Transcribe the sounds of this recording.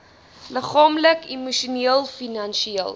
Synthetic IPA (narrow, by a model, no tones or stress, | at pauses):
ləχɑːmləkimuʃuniəlˠfinɐnʃiiəlˠ